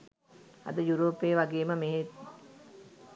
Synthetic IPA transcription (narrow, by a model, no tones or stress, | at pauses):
ɐ̰d̪əjuɾoːpeːʋaɡeːməmeɦe